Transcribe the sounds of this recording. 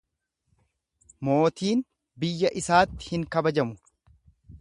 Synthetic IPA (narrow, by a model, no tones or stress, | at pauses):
mo̞ːt̪iːn | bɪjːɐʔɪsaːt̪ːɪ̥hɪŋkɐbɐd͡ʒɐmʊ